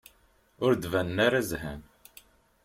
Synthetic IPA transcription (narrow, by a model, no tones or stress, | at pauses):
ʊɾd̪vænːaɾazhæ̰m